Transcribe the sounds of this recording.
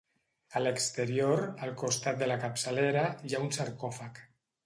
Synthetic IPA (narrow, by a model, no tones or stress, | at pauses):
ələkst̪əɾioɾəlˠkust̪at̪̚d̪əlakapsaleɾajaunsaɾkɔfak